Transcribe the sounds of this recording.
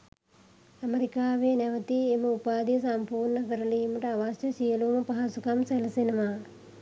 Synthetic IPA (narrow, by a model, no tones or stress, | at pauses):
ɐmeɾikaːʋeneʋɐt̪iemɐupaːd̪ijɐsɐmpuːɾɳɐɡɐɾɐliːmɐʈɐaʋasjɐʃijɐlumɐpɐɦasukɐmsɐlɐsinɐʋaː